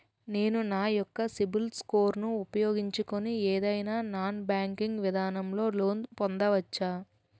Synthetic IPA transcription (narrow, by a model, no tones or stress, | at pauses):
ne̞ːnunaːjɔkːɐsibilskoːɾnuːpɐjo̞ːɡiɲt͡ʃukonieːd̪ɐjnaːnaːnbaːŋkiŋɡʋid̪ʱaːnɐmlo̞ːlo̞ːnpɔnd̪ɐʋɐt͡ʃːaː